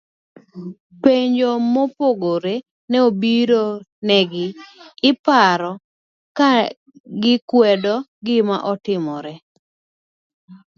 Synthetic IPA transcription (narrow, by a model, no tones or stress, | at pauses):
peɲd͡ʒomɔpoɡoɾe | nɛobiɾonɛɡɪɪpaɾɔ | ka | ɡɪkwɛdɔɡɪma̰ʔɔtɪmɔɾɛ